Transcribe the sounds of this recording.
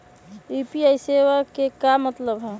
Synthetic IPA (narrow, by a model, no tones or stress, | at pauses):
ipiajseʋakekamət̪ləbɦɛ